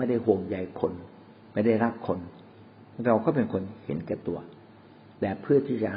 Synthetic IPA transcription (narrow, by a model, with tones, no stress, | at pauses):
ma˥˩jda˥˩jɦu˨˩əŋja˧jkʰo˧n | ma˥˩jda˥˩jɾa˦˥˩p̚kʰo˧n | ɾa˧wkɔː˥˩pe˧nkʰo˧nhḛ˨˦nkɛː˧˩t̪u˨˧˩ɐ | t̪ɛː˨˩pʰɯ˥˩ɐt̪ʰiː˥˩t͡ɕa̰˨˩